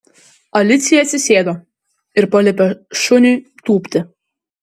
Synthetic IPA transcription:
ɐlʲɪt̪sʲɪjɛsʲɪsʲeːd̪oː | ɪɾpɐlʲɛpʲɛʃʊnʲyːt̪uːpʲt̪ʲɪ

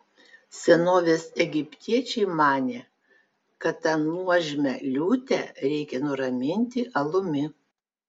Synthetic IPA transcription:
sʲɛnoːʋʲeːsɛɡʲɪpʲt̪ʲiɛt͡ʃʲɛɪmɑːnʲeː | kɐt̪ːɐnmuɔʒʲɪmʲɛlʲuːt̪ʲɛɾʲɛɪkʲɛnʊɾɐmʲɪnʲt̪ʲɪʔɐlˠʊmʲɪ

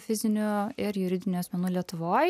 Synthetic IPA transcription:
fʲɪzʲɪnʲuɪɾjʊɾʲɪd̪ʲɪnʲʊɐsmʲɛnuːlʲiɛt̪ʊʋoːj

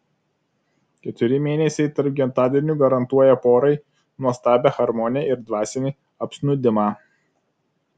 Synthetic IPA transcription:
kʲɛt̪ʲʊɾʲɪmʲeːnʲɛsʲɛɪt̪ɐɾpɡʲɛnt̪ɑːd̪ʲɪnʲuːɡɐɾɐnt̪uɔjɛpoːɾɐɪ | nuɔst̪ɑːbʲexɐɾmɔnʲjɛɪɾd̪ʋɑːsʲɛnʲiː | ɐpʲsʲnʊd̪ʲɪmɑː

